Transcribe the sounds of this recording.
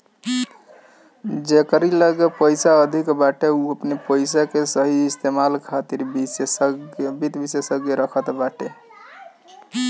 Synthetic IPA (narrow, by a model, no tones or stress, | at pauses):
d͡ʒekəɾiləɡepəjsaəd̪ʱikbaʈeuəpnepəjs̬akesəɦiist̪emalkʰat̪iɾbsɡbit̪bisesəɡjeɾəkʰət̪baʈe